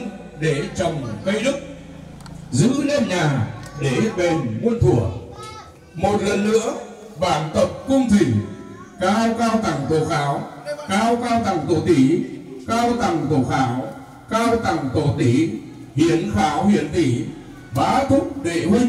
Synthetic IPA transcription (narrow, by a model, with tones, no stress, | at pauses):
n | ɗe˧˩t͡ɕə˨˩wŋ͡mkə˧jɗɨ˦˥k̚ | zɨ̰˧˥le˧mɲaː˨˩ɗe˧˩ɓe˨˩nŋu˧ənt̪ʰu˧˩ə | mo˨˩t̚lə̰˧˨nlɨ̰˧˥ə | ɓaː˧˩nt̪ə˨˩p̚kʊ˧ŋ͡mt̪ï˨˩ŋ̟ | kaː˧wkaː˧wt̪ʰa˨˩ŋt̪o̰˧˨xaː˨˦wkaː˧wkaː˧wt̪ʰa˨˩ŋt̪o̰˧˨t̪i˨˩˦kaː˧wt̪a˨˩ŋt̪o˧˨˩xaː˨˦w | kaː˧wt̪a˨˧˩ŋt̪o̰˧˨˩t̪i˨˦ | hḭ˧˨ənxaː˨˦whḭ˧˨ənt̪i˧˩˦ | ɓa̰ː˨˦t̪ʰʊ˦˥k͡p̚ɗḛ˧˩˨hwi˧ŋ